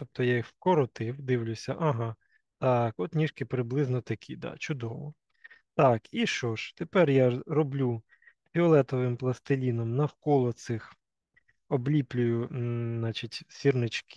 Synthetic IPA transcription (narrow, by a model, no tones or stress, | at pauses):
t̪ɔp̚t̪ɔjaixwkɔɾɔt̪ɪwd̪ɪwlʲʊsʲɐʔɐɦɑ | t̪ɑkɔt̪nʲiʃkɪpɾɪblˠɪznɔt̪ɐkʲʰid̪ɑ̰t͡ʃʊd̪ɔʋɔ | t̪ɑkiʃt͡ʃɔʃt̪epɛrjaɾɔblʲu | pʲiɔlˠɛt̪ɔʋɪmplˠɐst̪ɪlʲinɔmnɐwkɔlˠɔt̪sɪx | ɔblʲiplʲʊjʊnɑt͡ʃitʲsʲirnɪt͡ʃk